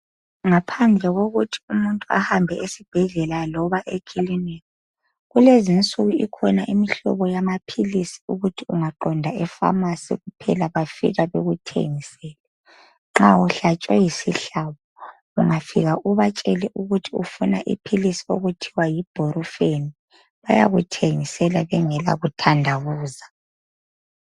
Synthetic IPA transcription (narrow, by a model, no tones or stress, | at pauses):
ŋapʰand͡ɮʱɛɣoɣutʰi̥umuntʼua̰hambʱɛʔesib̥ʱɛɮɛlalɔβaʔekʰilinɛkɔ | ɣulezint͡sʼuɣuḭkʰɔnaʔimiɬɔ̰βɔjamapʰilisi̥uɣutʰiuŋaǃɔndʱaɛfa̰masḭɣupʰɛlaβafḭɣaβeɣutʰḛŋisɛːlɛ | ŋ͡ǁauɬat͡ʃʼwɛjisiɬaβɔ | uŋafḭɣaʔuβat͡ʃʼɛlɛʔuɣutʰiufuna̰ʔḭpʰilisi̥oɣutʰiwajib̥ʱoɾufeni | βaja̰ɣutʰeŋisɛlaβɛŋɛla̰ɣutʰandʱaɣuːza